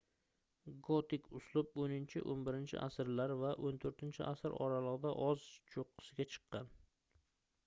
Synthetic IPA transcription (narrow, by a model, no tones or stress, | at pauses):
ɡot̪ʰɪkʰʲʊslˠʊbonɪnt͡ʃʰɪ̰ʔonbɪɾɪnt͡ʃʰɪ̰ʔa̰sɪɾlaɾvaʔont̪ʰoɾt̪ʰɪnt͡ʃʰɪ̰ʔasɪɾɒ̰ɾalˠɨʁd̪aʔɒzt͡ʃʰoqʰːɨ̥sɪɡʲat͡ʃʰɨ̥qːɑn